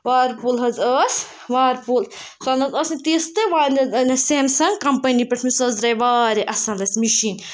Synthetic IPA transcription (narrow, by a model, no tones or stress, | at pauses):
ʋaːɾpulɦɐzəːs | ʋaːɾpul | sɐnɐzɐsinʲt̪iːst̪ɨʋaːnnseːmsɐŋɡkɐmpɐnipɐʈʰmisɐzɾɐjʋaːɾiʔɐsɐ̃nlɐsʲmiʃiːn